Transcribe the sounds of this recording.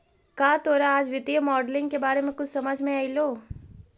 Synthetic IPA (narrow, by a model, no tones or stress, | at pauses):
kaːt̪oːɾaaːd͡ʒʋɪt̪ijəmɔːɖlɪ̃ŋɡkebaːɾemẽkʊt͡ʃʰsɐməd͡ʒʱmẽaːiloː